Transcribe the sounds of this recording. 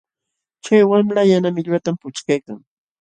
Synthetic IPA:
t͡ʃajwamlajanamɪʎat̪ampʊt͡ʃkajkaŋ

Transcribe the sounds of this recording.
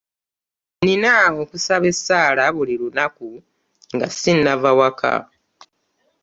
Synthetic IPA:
ninaokusaβe̞sːaːlaβulilunaku | ŋɡa̰sinːavawakʰa̰

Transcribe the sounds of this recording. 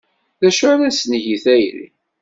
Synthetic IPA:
ðæʃʊɾæsnʝiθæjɾḭ

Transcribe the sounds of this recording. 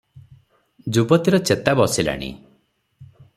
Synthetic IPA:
d͡ʒubɔt̪iɾɔt͡ʃet̪abɔsila̰ɽ̃ḭ

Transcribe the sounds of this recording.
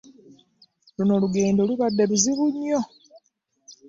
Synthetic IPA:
luno̞luɡe̞ːndo̞luβadːe̞luziβuɲːo̞

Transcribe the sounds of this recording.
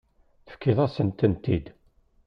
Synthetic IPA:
θə̥fkːiðˤæsənt̪ənt̪id̪

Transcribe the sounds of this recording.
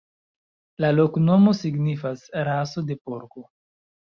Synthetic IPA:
lalo̞kno̞mo̞siɡnifasɾaso̞de̞poɾko

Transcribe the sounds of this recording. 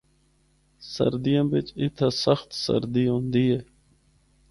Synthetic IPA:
sə̰ɾd̪ijãbet͡ʃit̪ʰasəxt̪sə̰ɾd̪ijõnd̪ie

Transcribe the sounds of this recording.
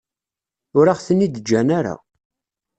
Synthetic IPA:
ʊɾaʁθənːid̪əd͡ʒːænaɾa̰

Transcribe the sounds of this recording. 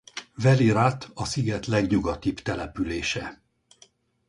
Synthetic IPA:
vɛliɾat̪ɒsiɡɛt̪lɛɡɲuɡɒt̪ibt̪ɛlɛpyleːʃɛ

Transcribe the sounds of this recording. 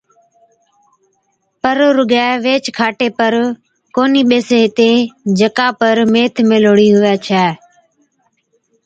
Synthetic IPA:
pəɾɾʊɡɛːʋeːt͡ʃkʰaːʈeːpəɾ | koːniːɓeːseːɦɪt̪eːd͡ʒəkaːpəɾmeːt̪ʰmeːloːɽiːɦʊʋɛːt͡ʃʰɛː

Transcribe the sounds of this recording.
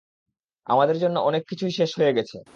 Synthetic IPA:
a̰mad̪eɾd͡ʑonːoʔɔnekːit͡ɕʰuiʃeʃɦoeɡɛt͡ɕʰḛ

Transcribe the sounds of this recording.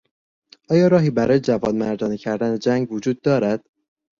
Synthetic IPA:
ʔɒːjɒːɾɒːɦiːbæɾɒːjed͡ʒævɒːnmæɾd̪ɒːniːcʰæɾd̪æned͡ʒæŋɡvod͡ʒuːd̪̚ːɒːɾæd̪̥

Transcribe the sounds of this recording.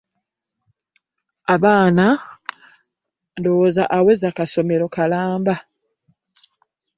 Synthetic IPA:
aβaːna | ndowozaʔawezakaso̞me̞ɾo̞kalaːmba

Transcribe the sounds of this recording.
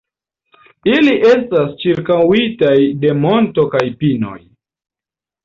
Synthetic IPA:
iliʔe̞stast͡ʃiɾkawitajde̞mo̞nto̞kajpino̞̰j

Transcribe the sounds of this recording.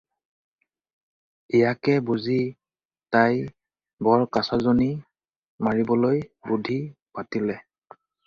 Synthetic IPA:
ijakɛbuzi | taj | bɔɹkasazoni | maɹibɔlojbudʱipatilɛ

